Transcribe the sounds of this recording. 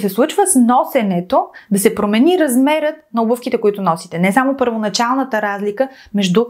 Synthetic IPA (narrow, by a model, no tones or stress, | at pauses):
sɛslˠut͡ʃvəsnɔsɛnɛt̪od̪ɐsɛpɾomɛniɾɐzmɛɾət̪̚nɐubəfkit̪ɛkoit̪ʊnɔsit̪ɛnɛsamopəɾvonɐt͡ʃalˠnət̪əɾazlikə | mɛʒd̪u